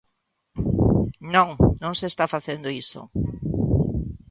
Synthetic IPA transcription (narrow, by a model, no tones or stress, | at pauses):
nõŋnõŋsest̪afaθend̪oiso̰